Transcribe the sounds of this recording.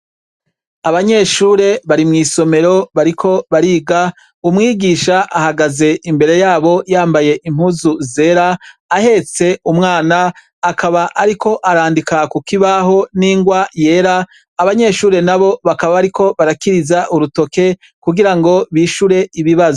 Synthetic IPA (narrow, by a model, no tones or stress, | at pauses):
aβaɲe̞ʃuːɾe̞βaɾimŋiːso̞me̞ɾo̞βaɾikʰo̞βaɾiːɡa | umŋiːɡiʃaʔahaɡaze̞ʔimbe̞ɾe̞jaːβo̞jaːmbaje̞ʔim̥huzuze̞ːɾaːhe̞t͡se̞umŋaːnaː | kʰaβaʔaɾikʰo̞ʔaɾaːndikakukiβaɦo̞niːŋɡwaje̞ːɾaː | βaɲe̞ːʃuːɾe̞naβo̞βakaβaβaɾikʰo̞βaɾakiɾizaʔuɾuto̞ke̞ | kuɡiɾaŋɡo̞βiːʃuɾe̞iβiβazo